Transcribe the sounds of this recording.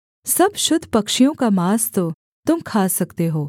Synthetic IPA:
sɐbʃʊd̪ʱːpɐkʃijõkamaːst̪o | t̪ʊmkʰaːsɐkt̪eɦoː

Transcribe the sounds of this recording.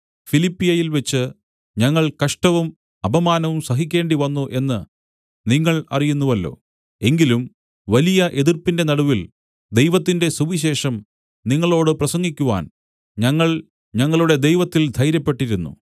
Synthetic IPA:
filipːijɐjilʋet͡ɕːɨ | ɲɐŋːɐɭkɐʂʈɐʋum | ɐbɐmaːnɐʋumsɐɦikʲːe̞ːɳɖiʋɐnːuʔe̞nːɨ | niŋːɐɭɐ̰rijunːuʋɐlːo̞̰ː | e̞ŋɡilum | ʋɐlijɐʔe̞ðirpinde̞nɐɽuʋil | d̪ejʋɐt̪ːinde̞suʋiɕe̞ːʂɐm | niŋːɐɭo̞ːɽɨprɐsɐŋɡikʲːuʋa̰ːn | ɲɐŋːɐɭ | ɲɐŋːɐɭuɽe̞d̪e̞jʋɐt̪ːild̪ʱɐjɾjɐpːe̞ʈːiɾunːṵ

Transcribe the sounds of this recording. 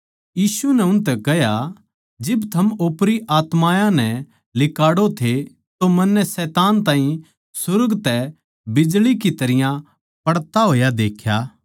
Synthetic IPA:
jiːsunɛʊnt̪ɛkɐɦja | d͡ʒɪbt̪ʰɐmoːpɾiʔaːt̪maːjãnɛ | lɪkaːɽot̪ʰe | t̪omɐnːɛsɛːt̪aːnt̪ãːɦĩ | sʊɾɡt̪ɛ | bɪd͡ʒlikit̪ɐɾɪjã | pɐɽt̪aɦoːjad̪eːkʰjaː

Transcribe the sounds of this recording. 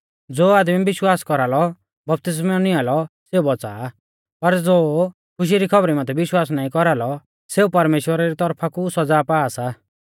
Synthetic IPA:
d͡zoːaːd̪mibɪʃwaːskɔɾalɔ | bɐp̚t̪ɪs̬mɛnialɔseːubɔt͡sa̰ː | pɐɾd͡zoː | kʰʊʃ̬iɾikʰɔbɾimãt̪ʰɛbɪʃwaːs̬naːĩkɔɾalɔ | seːupɐɾmeːʃwəɾaɾit̪ɔɾpʰakusɔd͡zaːpaːsa

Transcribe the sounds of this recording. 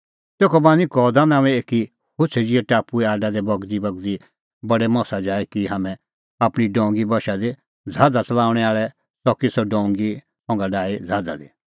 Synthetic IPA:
t̪eːkʰɔbãːnĩkɔːd̪anãːʋɛeːki | hʊt͡ʃʰɛd͡ʒiɛʈaːpuɛaːɖad̪ɛbɐɡd̪ibɐɡd̪i | bɐɖɛmɔ̃ːsad͡ʒaːɛkiɦaːmɛ̃ | apɽ̃iɖɔ̃ːŋɡibɐʃad̪e | d͡zʱaːd̪at͡sɐlaːʊɽ̃ɛaːɭɛ | sɔkisɔɖɔ̃ːŋɡi | hɔ̃ŋɡaɖaːid͡zʱaːd̪a̰d̪i

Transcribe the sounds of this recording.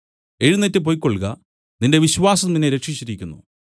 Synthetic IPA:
e̞ɻunːɐtːɨp̬o̞jkːoɭɣɐ | ninde̞ʋiɕʋaːsɐminːeɾe̞kʂit͡ɕːiɾikʲːunːṵ

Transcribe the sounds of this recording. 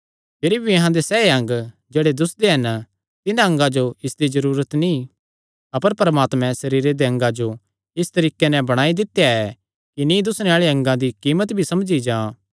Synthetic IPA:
pʰɪɾibʱiɐɦãd̪esɛːeɐ̃ŋɡ | d͡ʒeːɽed̪ʊsd̪eɦɐn | t̪ɪnãɐ̃ŋɡãd͡ʒoɪsd̪izɐɾuːɾət̪nĩ | ɐpəɾpɐɾmaːt̪mɛ̃sɐɾiːɾed̪eɐ̃ŋɡãd͡ʒo | ɪst̪ɐɾiːkenɛ̃bɐɽ̃aːid̪ɪt̪ːejaɛ | kinĩd̪ʊsñeaːɭeɐ̃ŋɡãd̪ikiːmət̪bʱisɐmd͡ʒid͡ʒãː

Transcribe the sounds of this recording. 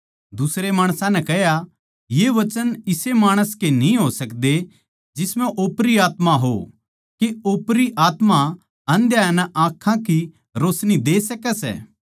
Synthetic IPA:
d̪ʊsɾemaːɽ̃sãnɛ̃kɛɦja | jeʋɐt͡ʃənɪsemaːɽ̃əskenĩɦosɐkd̪e | d͡ʒɪsmɛ̃ʔoːpɾiaːt̪maɦo̰ | keoːpɾiʔaːt̪ma | ɐ̃nd̪jaːnɛʔãːkʰãki | ɾoːsnid̪eːsɐkɛsɛ̰ː

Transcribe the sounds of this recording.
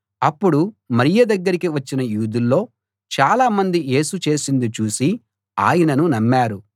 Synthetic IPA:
ɐpːuɽumɐɾijɐd̪ɐɡːɐɾikiʋɐt͡ʃːinɐjuːd̪ulːo̞ː | t͡ʃaːlaːmɐnd̪ije̞ːsut͡ʃe̞ːsind̪ut͡ʃuːsi | a̰ːjɐnɐnunɐmːaːɾu

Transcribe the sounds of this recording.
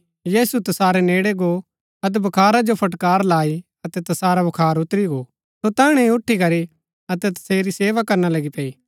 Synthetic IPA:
jeːsut̪ɐsaːɾeneːɽeɡo | ɐt̪̬ɛbʱɐkʰaːɾad͡ʒopʰɐʈkaːɾlaːi | ɐt̪ɛt̪ɐsaːɾabɐkʰaːɾʊt̪ɾiɡo | sot̪ãːɽ̃ẽʊʈʰːikɐɾi | ɐt̪ɛt̪ɐ̥seːɾiseːʋakɐɾnalɐɡipɐːiː

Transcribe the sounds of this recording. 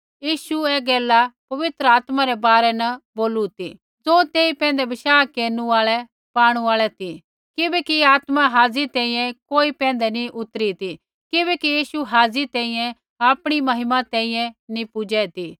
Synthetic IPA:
jiːʃuɛɡɛːlapɐʋɪt̪ɾəaːt̪maɾɛbaːɾɛnɐboːlut̪ḭ | d͡zõːt̪eːipɛ̃ːnd̪ɛbɪʃaːkeːɾnuaːɭɛ | paːɽ̃ũaːɭɛt̪i | kɪbɛkiaːt̪maɦaːd͡zit̪ɛ̃ːĩːjɛ̃koːipɛ̃ːnd̪ɛnĩʔʊt̪ɾit̪i | kɪbɛkijiːʃuɦaːd͡zit̪ɛ̃ːĩːjɛ̃ | aːpɽ̃imɐɦɪmat̪ɛ̃ːĩjɛ̃nĩpʊd͡ʒɛt̪iː

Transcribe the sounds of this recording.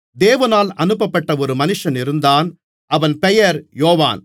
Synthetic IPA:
d̪eːʋɐnaːlɐnɯpːɐpːɐʈːɐɔɾɯmɐnɯʂɐnɪɾɯnd̪aːn | ɐʋɐnpɛjɐɾjoːʋa̰ːn

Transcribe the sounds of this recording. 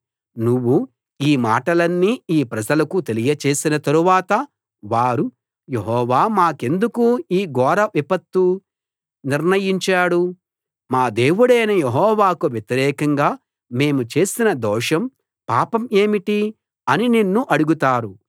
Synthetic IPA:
nuʋːu | iːmaːʈɐlɐnːiːiːpɾɐd͡ʒɐlɐkut̪e̞lijɐt͡ʃe̞ːsinɐt̪ɐɾuʋaːt̪ɐ | ʋaːɾu | jeɦɔːʋaːmaːke̞nd̪ukuiːɡɔːɾɐʋipɐt̪ːu | niɾnɐjiɲt͡ʃaːɽu | maːd̪e̞ːwuɽɐjnɐjeɦɔːʋaːkuʋjet̪iɾɛːkɐŋɡaː | me̞ːmut͡ʃe̞ːsinɐd̪ɔːʂɐm | paːpɐme̞ːmiʈi | ɐnininːuʔɐɽuɡut̪aːɾu

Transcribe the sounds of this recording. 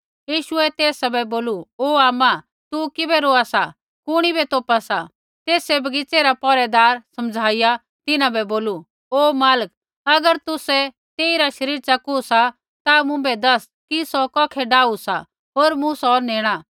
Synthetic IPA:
jiːʃʊɛt̪eːsabɛboːluoːaːma | t̪ukɪbɛɾoːasa | kʊɽ̃ibɛt̪oːpasa | t̪eːsebʱɐɡɪt͡seɾapɔːɾɛd̪aːɾsɐmd͡zʱaːɪja | t̪ɪnãbɛboːlu | oːmaːlək̚ | ɐɡəɾt̪ʊsɛ | t̪eːiɾaʃɐɾiːɾt͡ʃakʊsa | t̪amʊ̃bɛd̪ɐs | kisɔkɔːkʰɛɖaːusa̰ | ɦoːɾmʊ̃sɔːɾneːɽ̃a

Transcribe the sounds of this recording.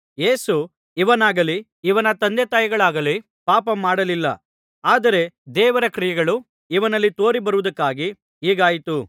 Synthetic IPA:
je̞ːsu | iʋɐnaːɡɐli | iʋɐnɐt̪ɐnd̪et̪aːjɐɡɐɭaːɡɐli | paːpɐmaːɽɐlilːɐ̰ | aːd̪ɐɾe̞d̪ɛːʋɐɾɐkɾijɛɡɐɭu | iʋɐnɐlːit̪o̞ːɾibɐɾuʋud̪ɐkːaːɡi | ɦiːɡaːjit̪u

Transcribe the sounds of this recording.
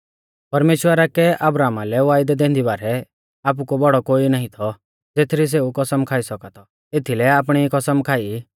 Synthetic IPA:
pɐɾmeːʃwəɾakɛʔɐbɾaːmalɛʋaːɪd̪ɛd̪ẽːnd̪ibaːɾɛ | aːp̬ukɔbɔɽɔkoːinaːɦĩt̪ʰɔ | d͡zeːt̪ʰɾis̬eːukɐsəmkʰaːisɔkat̪ʰɔ | eːt̪ʰilɛaːp̬ɽ̃ikɐsəmkʰaːi

